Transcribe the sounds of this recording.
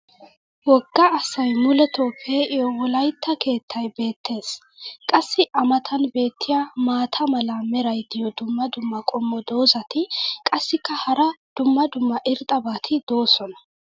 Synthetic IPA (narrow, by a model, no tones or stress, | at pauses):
wɔɡːɐːsɐjmʊlɛt̪oːpʰːeʔɪjɔwɔlɐjt̪ʰːɐke̞ːt̪ːɐjbe̞ːt̪ːe̞ːs | kʼɐsːɪʔɐmɐt̪ʰɐnbe̞ːt̪ʰːɪjamaːt̪ʰɐmɐlɐmɛɾɐjd̪ɪjɔd̪ʊmːɐd̪ʊmːɐkʼɔmːɔd̪o̞ːzɐt̪ɪkʼɐsːɪkːɐhɐɾɐd̪̥ʊmːɐd̪ʊmːɐʔɪɾt̪ʼɐbaːt̪ʰɪd̪̥o̞ːsɔnɐ